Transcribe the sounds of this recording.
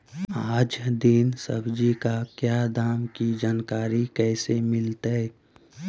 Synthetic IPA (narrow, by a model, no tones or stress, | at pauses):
aːd͡ʒd̪insə̰bd͡ʒikakjaːd̪aːmkid͡ʒaːnkaːɾikɛːsemɪlt̪ɛ